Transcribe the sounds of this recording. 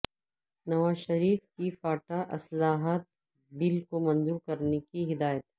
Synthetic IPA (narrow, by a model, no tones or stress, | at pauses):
nɐʋaːzʃɐɾiːfkifaːʈaʔɐslaːɦaːt̪̚ | bɪlkomɐ̃nzuːɾkɐɾnekiɦɪd̪aːjət̪ɦɛ